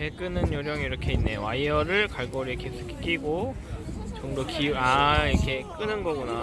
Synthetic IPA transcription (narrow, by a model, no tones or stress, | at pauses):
tek͈ɯnɯnjʌɾjʌŋiːɾʌkʰe̞inːe̞jo̰waiʌɾɯɭkaɭɡʌɾikʰes͈ʰɯ̥kʰi̥k͈iɡo | t͡ɕʌŋdokiuaiɾʌkʰe̞k͈ɯnɯnɡʌɡuna